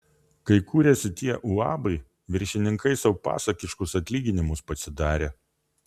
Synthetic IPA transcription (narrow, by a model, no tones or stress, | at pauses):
kɐɪkʰuːɾʲesʲɪt̪ʲiɛʔuɑ̰ːbɐɪ | ʋʲɪɾʲʃʲɪnʲɪŋkɐɪsɐʊpɑ̰ːsɐkʲɪʃkʊsɐt̪ʲlʲiːɡʲɪnʲɪmʊspɐsʲɪd̪ɑːɾʲeː